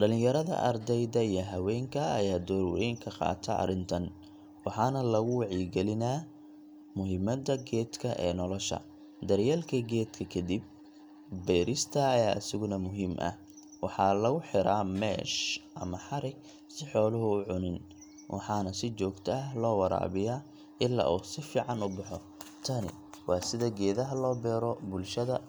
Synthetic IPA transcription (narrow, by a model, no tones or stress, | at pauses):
ɖɐlɪ̃ŋjɐɾɐðɐ̰ʔɐrd̪ɛjðɐijɞɦɐwɛːŋkʰɐ̰ːjaːd̪ɔːɾwɛ̰jŋkʰɐqɑ̰ːt̪ʰɐɐ̰ɾɪnt̪ʰɐn | wɑħɑːnɐlɐɣʊwɑʕiɡɛlɪnaː | mʊɦɪmɐd̪ɐɡɛːd̪kʰɐʔɛ̰ːnɔlɔʃɐ̰ | d̪ɐrjaːlkʰɐɡɛːd̪kʰɐkʰɐd̪ib̚ | bɛːɾɪst̪ʰɐːjaːɐsɪɣʊnɐmʊɦiːmʔɐ̰h | wɑħɑlɐɣʊħɪɾaːmɛːʃʔɐ̰mɐħɑɾɪɡ | sɪħɔːlʊɦʊːʕʊnɪn | wʔɑ̰ħɑːnɐsɪt͡ʃɔːɡt̪ʰɐɐhlɔːwɑɾa̰ːβɪjaː | ʔɪlːa̰ːʔuːsɪfiːʕɑnʊbɑħɔ | t̪ʰɐnɪ̰ | wʔɑːsɪðɐɡɛːðɐɦɐlɔːbɛːɾɔbʊlʃɐðɐ